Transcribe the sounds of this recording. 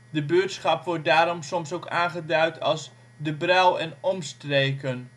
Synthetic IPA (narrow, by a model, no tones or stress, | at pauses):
dəbøːtsχɑpʋɔɹt̚daːɾɔmsɔmsokaːnχədœɥtʰɑlˠs | dəbrɛlˠɛnɔmstrejkən